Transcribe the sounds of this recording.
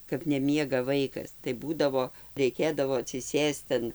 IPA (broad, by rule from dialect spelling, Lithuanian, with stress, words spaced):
kɐp nʲɛˈmʲiɛɡɐ ˈʋɐɪkɐs tɐɪ ˈbuːdɐʋoː rʲɛɪˈkʲeːdɐʋoː ɐtʲsʲɪˈsʲeːst ɐn